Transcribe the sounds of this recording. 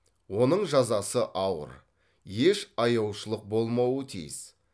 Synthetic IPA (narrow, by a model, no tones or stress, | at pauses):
wo̞nəɴʒɑzɑsəʔɑwə̰ɾ | jeʃɑjɑwʃəlˠəq̚bo̞lˠmɑwət̪ʰḭjɪ̰z̥